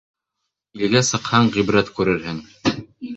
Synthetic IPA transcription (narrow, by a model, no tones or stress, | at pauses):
ilɡæsɤ̆qhɑɴʁibɾæt̪kʉɾɘ̆ɾɦɘŋ